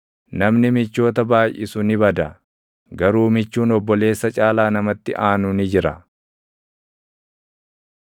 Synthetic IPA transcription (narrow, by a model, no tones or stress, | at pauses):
nɐmnɪmɪt͡ʃːo̞ːt̪ɐbaːjʔɪ̰sʊnɪbɐd̪ɐ | ɡɐɾuːmɪt͡ʃːuːnɔbːɔle̞ːsːɐt͡ʃʼaːlaːnɐmɐt̪ːɪʔaːnʊnɪd͡ʒɪɾɐ̰